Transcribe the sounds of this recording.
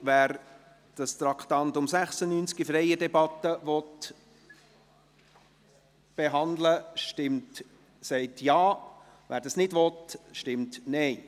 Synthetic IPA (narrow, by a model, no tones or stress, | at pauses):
væːɾ | d̥ɑst̪ɾɑkχtɑntʊmsæχsənyːnt͡skifɾɛjədɛbɑt̪ːəʋɔt̪ | b̥eɦɑnd̪ləʃtɪmt | sɛɪtjɑː | ʋæ̰ːɾdɑsnɪdʋɔt̪ʃtɪmtnɛɪ